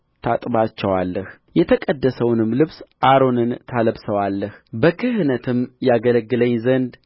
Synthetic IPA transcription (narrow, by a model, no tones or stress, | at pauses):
t̪ʰat̪ʼbat͡ʃːɛwalːəh | jɛt̪ʰəkʼəd̪ːəsəwnɨmlɨβsʔaɾo̞nɨnt̪ʰaləbsəwalːəhbəkʰɨhnət̪ʰɨmjaɡələɡːɨləɲzənd̪